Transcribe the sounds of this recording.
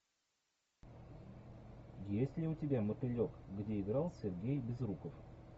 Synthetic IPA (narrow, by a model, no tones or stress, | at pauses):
jesʲlʲɪʊtʲɪbʲamət̪ɪlʲokɡdʲeɪɡɾɑlˠsʲɪrɡʲejbʲɪzrukəf